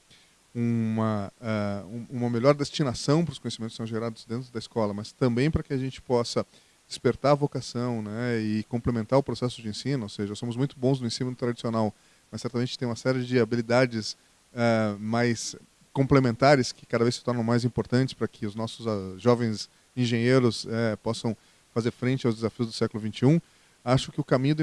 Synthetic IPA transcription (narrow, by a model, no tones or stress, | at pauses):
ũmɐɛũũmɐmeʎɔɾd̪est͡ʃinasɐ̃w̃pɾʊskõɲ̃esimẽt̪ʊ̥sɐ̃w̃ʒeɾad̪ʊzd̪ẽnt̪ɾʊd̪ɐiskɔlɐmɐst̪ɐ̃mbẽj̃pɾɐkɪɐʒẽnt͡ʃɪ̥pɔsɐ | d͡ʒɪspeɾt̪aɾɐvokasɐ̃w̃nɛɪkõmplemẽnt̪aɾʊpɾosɛsʊd͡ʒɪẽsĩnʊowseʒɐsõmʊzmũj̃t̪ʊbõznʊẽsĩnʊt̪ɾad͡ʒisionaw | mɐsɛɾt̪ɐmẽnt͡ʃɪtẽj̃ũmɐsɛɾɪɪd͡ʒɪabilid̪ad͡ʒɪs | ɛmajs | kõmplemẽnt̪aɾɪskɪ̥kad̪ɐvejsɪ̥t̪ɔɾnɐ̃w̃majzĩpoɾt̪ɐ̃nt͡ʃɪ̥spɾɐkʰɪʊznɔsʊzʒɔvẽj̃z | ĩʒẽɲeɾʊsɛpɔsɐ̃w̃ | fazeɾfɾẽnt͡ʃɪawzd̪ezafiʊzd̪ʊsɛkʊlʊvĩnt͡ʃɪũ | aʃʊkɪʊkamĩɲ̃ʊd̪ɐ